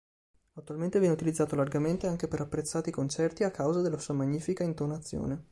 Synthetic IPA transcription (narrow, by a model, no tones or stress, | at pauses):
at̪ːualment̪evjɛneut̪ilid̪zːaːt̪olarɡament̪eaŋk̟epeɾapːɾet̪sːaːt̪ikont͡ʃɛrt̪iakːawzad̪elːasuːamaɲːiːfikaint̪onat̪sːjo̰ːne